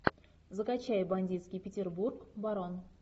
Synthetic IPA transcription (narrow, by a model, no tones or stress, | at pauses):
zɨkat͡ɕæjbanʲdʲit̪skʲijpʲɪtʲerburkbaɾon